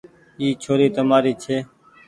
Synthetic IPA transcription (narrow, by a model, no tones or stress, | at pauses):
iːt͡ʃʰoːɾiːt̪əmaːɾiːt͡ʃʰeː